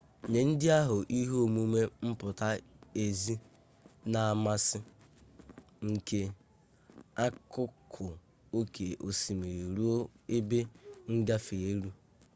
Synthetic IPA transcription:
ɲe˨n̩˦dɪ˦a˦ɦʊ˨ʔi˦ɦo˦o˦˨mu˦me˦m̩˦pʊ˨ta˦e˨zi˦ | na˨a˨ma˦sɪ˦ | ŋ̩˨ke˦ | a˦kʊ˦kʰʊ˨ | o˦kʰe˨ʔo˨si˨me˨ɾu˦o˦e˦be˦ŋ̩˦ɡa˦fe˨e˦ɾu˦

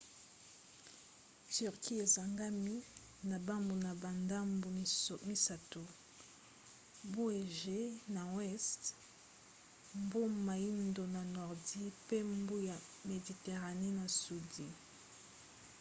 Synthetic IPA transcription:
ty˨ʁkʰi˦e˨za˨ŋɡa˦mi˦ | na˨ba˦mbu˨na˨ba˨nda˦mbmi˦sa˨to˨ | bo˦e˨ʒe˦na˨wɛ˦st | mbo˦ma˨ji˦ndo˨na˨nɔ˨ʁdi˦pe˦mbu˦ja˨me˨di˨te˨ʁa˨ne˦na˨su˨di˦

